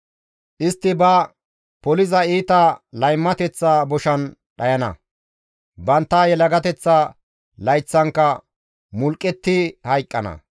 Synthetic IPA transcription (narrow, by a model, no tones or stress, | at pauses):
ʔɪst̪ːɪbɐ | pɔlɪzɐiːt̪ɐlɐjmːɐt̪ɛt͡sːaːbɔʃɐn | ɗɐjɐnɐ̰ | bɐnt̪ːaːjɛlɐɡɐt̪ɛt͡sːaː | lɐjt͡sːɐŋkːɐ | mʊlkʼːɛt̪ːɪhɐjkʼːɐnɐ̰